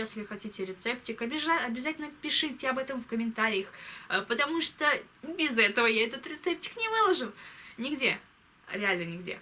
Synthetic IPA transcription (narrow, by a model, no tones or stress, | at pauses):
jesʲlʲɪxɐtʲitʲɪɾʲɪt̪sɛptʲɪkɐbʲɪʐaɐbʲɪzatʲɪlʲnəpʲɪʂɨtʲɪɐbɛt̪əmfkəmʲɪnt̪aɾʲɪjəxəpət̪ɐmuʂt̪obʲɪzɛt̪əvəjaɛt̪ət̪ɾʲɪt̪sɛp̚tʲɪ̥knʲɪvɨlˠɐʐunʲɪɡdʲe | ɾʲɪalʲnənʲɪɡdʲḛ